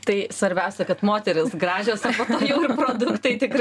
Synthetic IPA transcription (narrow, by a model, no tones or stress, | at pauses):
t̪ɐɪsʋɐɾʲbʲɛʊsʲɛkɐt̪moːt̪ʲɛɾʲɪsɡɾɑːʒʲoːsɐpoːt̪oːjɛʊɪrpɾoːd̪ʊkt̪ɐɪt̪ʲɪkɾ